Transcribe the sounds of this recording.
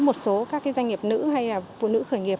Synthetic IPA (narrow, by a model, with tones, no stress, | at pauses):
mo˨˩t̚so˨˦kaː˦˥kːaː˨˦jzwa˧jŋ̟ŋi˨˩əp̚nɨ̰˧˥ha˧jlaː˨˩fṵ˧˨nɨ̰˧˥xəː˧˩jŋi˨˩əp̚